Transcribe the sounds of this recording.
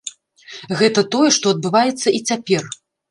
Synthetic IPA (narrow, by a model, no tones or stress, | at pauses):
ɣɛt̪ɐt̪ɔjɛʂt̪ɔɐd̪̚bɨvajɛt̪sːɐʔit͡sʲapʲɛr